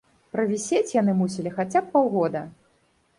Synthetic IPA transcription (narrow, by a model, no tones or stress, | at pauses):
pɾɐvʲisʲet͡sʲjan̪ɨmusʲilʲixat͡sʲap̚ːawɣɔd̪ɐ